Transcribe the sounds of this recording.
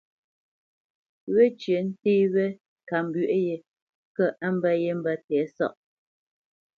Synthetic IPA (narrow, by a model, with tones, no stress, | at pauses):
we˦t͡ʃɥe˨n̩˦teː˦we˦ | ka˨m˨bɥʔje˦ | kə˦ʔa˦m̩˦bə˦je˦m̩˦bə˦tɛː˨˦sɔ̰˦ʔ